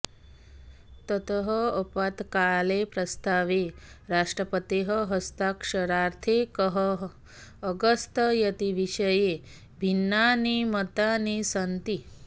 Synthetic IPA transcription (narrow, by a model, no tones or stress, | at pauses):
t̪ət̪əɦəɔpat̪kalepɾɐst̪aːʋeɾaʂʈɾəpət̪eɦəɦəst̪akʂɐɾaɾt̪ʰekəɦəː | ɡəst̪əjɐt̪iʋiʃəje | bʱinːanimət̪anisənt̪i